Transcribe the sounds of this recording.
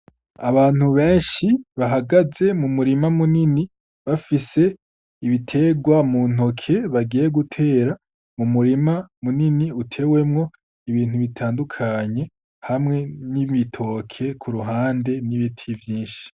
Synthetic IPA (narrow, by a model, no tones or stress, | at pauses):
aβaːn̥huβe̞ːnʃiβaɦaɡaze̞mumuɾimamunini | βafise̞ | iβitʰe̞ɡwamun̥o̞kʰe̞βaɡije̞ɡutʰe̞ːɾa | mumuɾimamuniniutʰe̞we̞mŋo̞ | iβiːn̥huβitʰaːndukʰaɲe̞ | hamŋe̞nimitʰo̞kʰe̞kʰuɾuɦaːnde̞niβitʰivjiːnʃi̥